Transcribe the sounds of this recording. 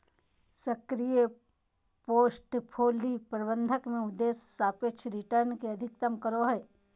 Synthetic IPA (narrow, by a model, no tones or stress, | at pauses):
sɐkɾije | poːsʈpʰoːlipɾɐbə̃nd̪ʱəkmẽʊd̪ːeːsːaːpet͡ʃʰɾɪʈəɾnkeɐd̪ʱɪk̚t̪əmkəɾoɦɛː